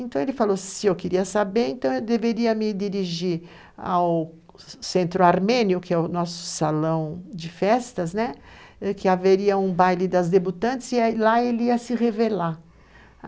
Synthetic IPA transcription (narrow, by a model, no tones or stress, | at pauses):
ẽnt̪ɐ̃w̃elɪfalosɪewkɪɾiɐsabeɾẽt̪ɐ̃w̃ewd̪eveɾiɐmɪd͡ʒiɾiʒiɾ | a̰w | sẽnt̪ɾʊaɾmẽnjʊkɪɛʊnɔsʊ̥salɐ̃w̃d͡ʒɪfɛst̪ɐznɛɛkɪaveɾiɐũbajlɪd̪ɐzd̪ebut̪ɐ̃nt͡ʃɪ̥zɪlaelɪiɐsɪʁevela